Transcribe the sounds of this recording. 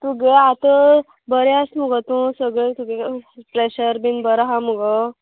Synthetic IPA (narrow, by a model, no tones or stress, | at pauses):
t̪uɡeat̪ə | bəɾeast̪məɡət̪ũsəɡɭet̪uɡepɾeɕəɾbinbəɾaɦamuɡɔ